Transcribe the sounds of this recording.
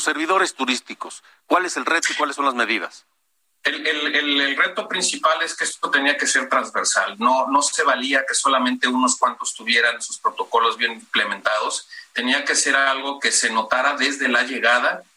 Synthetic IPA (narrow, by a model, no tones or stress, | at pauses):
sːeɾβiðo̞ɾest̪uɾist̪ikos | kwaleselret̪oikwalesːo̞nlazme̞ðiða̰s | elelelelre̞t̪o̞pɾinsipale̞skeest̪o̞t̪e̞niake̞se̞ɾt̪ɾanzβe̞ɾsalno̞no̞se̞β̞aliake̞so̞lamẽnt̪e̞uno̞skwant̪o̞st̪uβje̞ɾanesu̥spɾo̞t̪o̞ko̞lo̞zβje̞nimple̞ment̪að̞o̞st̪e̞niake̞se̞ɾalɣo̞ke̞se̞no̞t̪aɾaðe̞zðe̞laʝe̞ɣaða